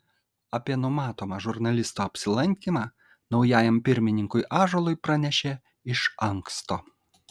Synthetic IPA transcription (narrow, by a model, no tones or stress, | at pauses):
ɐpʲiɛnʊmɑːt̪oːmɑʒʊɾnɐlʲɪst̪oːɐpʲsʲɪlˠɐŋʲkʲimɑː | nɒʊjæːjɛmpʲɪɾʲmʲɪnʲɪŋkʊɪʔɑːʒolˠʊɪpɾɐnʲɛʃʲeː | ɪʃɐŋkst̪oː